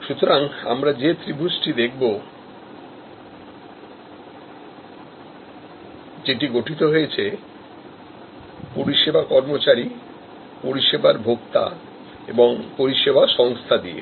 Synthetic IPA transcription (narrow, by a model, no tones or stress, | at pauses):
ʃut̪oɾaŋa̰mɾad͡ʑet̪ɾibʱusʈid̪ek̚ʰbo | d͡ʑeʈiɡoʈʰit̪oɦojet͡ɕʰe | poɾiʃebakɔɾmot͡ɕaɾi | poɾiʃebaɾbʱokt̪a̰ | ḛboŋpoɾiʃebʱaʃɔŋst̪ʰad̪iḛ